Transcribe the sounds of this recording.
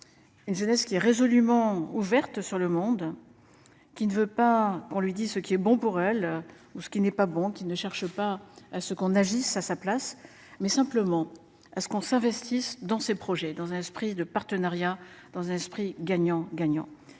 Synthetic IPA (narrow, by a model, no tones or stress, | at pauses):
ynʒənɛskʲiɛʁezɔlymɑ̃uvɛʁt̪syʁləmɔ̃d̪ | kʲinəvøpakɔ̃lɥid̪izsəkʲiɛbɔ̃puʁɛl | usə̥kʲinɛpabɔ̃kʲinəʃɛʁʃəpaasəkɔ̃naʒisasaplas | mɛsɛ̃pləmɑ̃ | asə̥kɔ̃sɛ̃vɛst̪isd̪ɑ̃sepχɔʒɛd̪ɑ̃zɛ̃nɛspχid̪əpaʁt̪ənaʁjad̪̥ɑ̃zɛ̃nɛspχiɡaɲɑ̃ɡaɲɑ̰̃